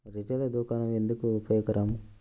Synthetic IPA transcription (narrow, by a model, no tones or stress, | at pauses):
ɾɪʈeːlɐd̪uːkaːnɐmɛnd̪ɯkːɯʊpːɐjɐkːɐɾaːm